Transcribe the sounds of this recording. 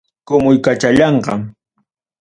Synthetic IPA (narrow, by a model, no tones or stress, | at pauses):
kʊmʊjkat͡ʃaʎɑɴɢɑ̰